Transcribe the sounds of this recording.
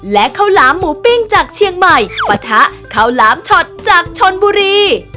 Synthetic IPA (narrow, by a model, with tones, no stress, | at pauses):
lɛ˦˥ʔkʰa˧˩wlaː˩˦mːuː˩˦pi˧ŋt͡ɕaː˨˩k̚t͡ɕʰi˧əŋma˨˩jpa˧t̪ʰa˦˥ʔ | kʰa˧˩wlaː˩˦mt͡ɕʰɔ˨˩t̪̚t͡ɕaː˨˩k̚t͡ɕʰo˧nbuː˧ɾiː˧